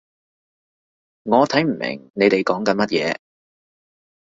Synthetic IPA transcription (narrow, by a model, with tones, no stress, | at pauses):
ŋɔː˨˧t̪ʰɐ˨˥jm̩˨˩mɪ̰˨˩ŋne˨˧jt̪e˨jkɔː˨˥ŋkɐ˨˧nmɐ˥t̚jɛː˨˧